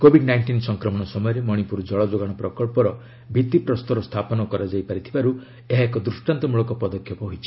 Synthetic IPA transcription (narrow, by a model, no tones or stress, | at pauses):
kobʱiɖnajɳʈinsɔŋkɾɔmɔɽ̃ɔsɔmɔjɔɾemɔɽ̃ipuɾd͡ʒɔɭɔd͡ʒoɡaɽ̃ɔpɾɔkɔɭpɔɾɔ | bʱit̪ipɾɔst̪ɔɾɔst̪ʰapɔnɔkɔɾad͡ʒajpaɾit̪ʰibaɾu | eɦaekɔd̪ɾusʈant̪ɔmuɭɔkɔpɔd̪ɔkʰːjɔpɔɦojt͡ʃʰi̥